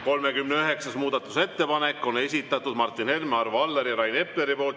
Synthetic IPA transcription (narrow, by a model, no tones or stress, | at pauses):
ko̞lme̞kymneøɦe̞ksɑsmuːd̪̥ɑt̪ːˑu̥se̞t̪ːe̞pɑne̞kːˑo̞ne̞sʲit̪ːˑɑt̪ːˑud̪̥mɑrt̪ːˑinhe̞lmeɑrvɑlːeɾiɾɑjne̞pleɾipo̞ːlt̪ˑ